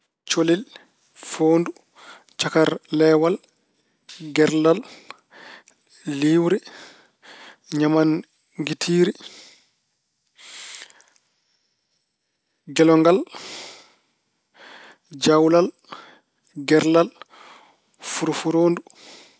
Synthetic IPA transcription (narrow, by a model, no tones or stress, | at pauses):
t͡ʃolil | foːndu | t͡ʃakaɾlɛwal | ɡɛɾlal | liːwɾi | ɲaman | ŋɡitʰiːɾi | ɡɛlɔŋɡal | d͡ʒawlal | ɡɛɾlal | fuɾfuɾoːndu